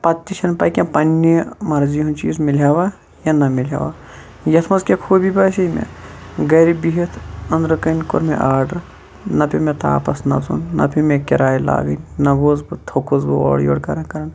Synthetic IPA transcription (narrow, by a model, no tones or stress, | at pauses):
pɐt̪ʲːiʃʰɐnpɐkʲẽpɐnːimɐɾziɦũnt͡ʃiːzmilɦjaːʋaː | janɐmilja̰ːʋaː | jɐt̪ʰmɐzkʲekʰoːbibɐsɐmḛ̃ɡɐːɾibiɦit̪ʰɐnd̪ɾɐkɐnko̰ɾmḛ̃ʔaːɾɖɐɾ | nɐpʰimẽt̪a̰ːpɐsnɐ̰zṵnnɐ̰pʰimẽkʲɐɾaːjla̰ːɡɐnʲnɐɡoːzbɨt̪ʰokuzbɨo̰ːɽjo̰ːɽkɐɾɐnkɐɾɐn